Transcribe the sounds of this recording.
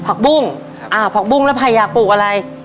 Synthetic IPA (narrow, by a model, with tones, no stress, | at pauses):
pʰa˨˩k̚bu˥˩ŋ | ʔaː˧˩pʰa˨˩k̚bu˥˩ŋlɛː˦˥˩pʰa˧˩jːaː˨˩k̚puː˨˩k̚ʔa˧ɾa˧j